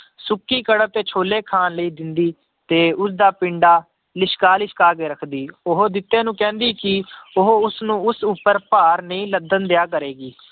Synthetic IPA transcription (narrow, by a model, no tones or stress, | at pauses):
sʊkːiːkəɽəb̚t̪eːt͡ʃʰoːleːkʰaːnləiːd̪ɪnd̪iː | t̪eːʊs̬d̪aːpɪɳɖaː | lɪʃkaːlɪʃkaːkeːɾəkʰd̪iːʊɦod̪ɪt̪ːẽːnũːkɛ̃ːnd̪iːkɪʊɦoʊsnũːʊsupːəɾpaːɾnəĩːləd̪ənd̪ejaːkəɾeːɡiː